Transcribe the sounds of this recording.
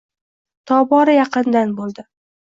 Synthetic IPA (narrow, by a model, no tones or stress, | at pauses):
t̪ʰɒbɒɾajɑqɨnd̪anbolˠd̪ɪ